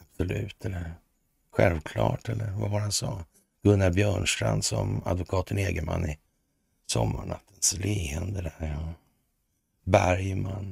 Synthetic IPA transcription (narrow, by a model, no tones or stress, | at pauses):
absɔlʉ̟ːt̪ʰɛlːəɾ | ɧɛlvkʰlɑ̰ːʈɛlːəɾvavaɾhansɑː | ɡ̥ɵnːabjœːɳʂʈɾand̪sɔma̰d̪vʊkʰɑːt̪ʰəneːɡəmanːɪ | sɔmːaɳat̪ʰːənsliːənd̪əd̪æɾɔ | bæɾjmanː